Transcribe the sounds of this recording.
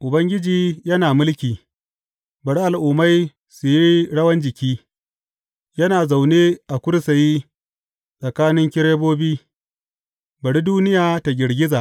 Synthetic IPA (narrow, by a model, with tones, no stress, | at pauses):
ʔʊ˨bɐ˦ŋɡʲɪ˦d͡ʒiː˨jɐ˦naː˨mʊ˦lkʲiː˨ | bɐ˨ɽi˦ʔa˨lʔʊ˨ma˦j | su˨ji˦ɽɐ˦wɐ˦nd͡ʒɪ˨kʲiː˦ | jɐ˦naː˨za˨wneː˦ʔa˨kʷʊ˦ɽsa˨ji˦ | sʼɐ˨kaː˦nɪ˦ŋkʲɪ˦ɽeː˦boː˦biː˦ | bɐ˨ɽi˦duː˦nɪ˦jaː˨ta˨ɡʲɪ˨ɽɡʲɪ˦zaː˨ʔ